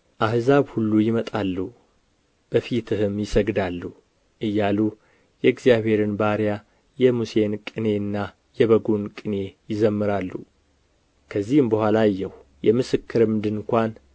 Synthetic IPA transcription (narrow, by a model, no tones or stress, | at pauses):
ʔahzaβhulːujɪmət̪ʼalːu | b̥əfit̪ʰɨɦɨmjɪsəɡd̪alːu | ʔɨjːalu | jɛɨɡzijaβhe̞ɾɨnbaɾja | jɛmuse̞nkʼɨne̞ɨnːa | jɛβəɡunkʼɨne̞jɪzəmːɨɾalːu | kʰəzːihɨmbəhʷalajːɛh | jɛmɨsɨkʰːɨɾɨmd̪ɨnkʷan